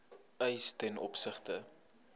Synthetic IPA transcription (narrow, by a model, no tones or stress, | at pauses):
œjstɛnɔ̰psəχtə